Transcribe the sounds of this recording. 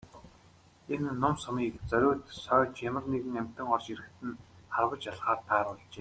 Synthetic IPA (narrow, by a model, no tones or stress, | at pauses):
enːʊmsɔmiːkt͡sœɾʲʊːt̪sœːt͡ɕjamə̆rneɣɘ̆ŋæm̥ʲt̪ɘ̆ŋɔrt͡ɕiɾɘ̆kt̪ɘ̆nχarwə̆t͡ɕjaɮχaːt̪ʰaːɾə̥̆ːt͡ɕeː